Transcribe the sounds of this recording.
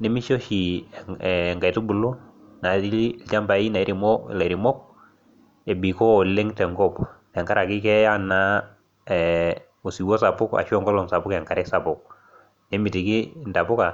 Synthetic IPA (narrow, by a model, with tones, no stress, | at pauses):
ne˦mi˦ʃo˦ʃi˨ | ŋɡa˨jtu˦bu˨lo˦ | na˨ti˦llt͡ʃa˦mba˨˦i˦na˨i˦ɾʔi˨mɔ˦˨la˨ɾi˨mɔ˦k̚ | e˨bi˨kɔ˦˨le˦ŋtɛ˨ŋɡɔ˦˨ptɛ˨ŋka˦ɾa˨kɪ˦kɛ˦ja˦na˦ | ɛ˨ | o˨si˨wɔ˦sa˨pʊ˦ka̰˨ʃɔ˦ŋɡɔ˦lɔ˨ŋsa˨pʊ˦kɛ˨ŋka˦ɾɛ˦sa˨pʊ˨k̚ | ne˦mi˨ti˨ki˦˨nta˨pʊ˦ka˨